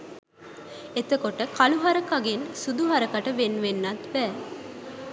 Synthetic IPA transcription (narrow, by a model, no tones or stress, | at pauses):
et̪əkoʈəkʰaluɦaɾəkaɡensud̪uɦaɾəkaʈəʋenʋenːat̪bæː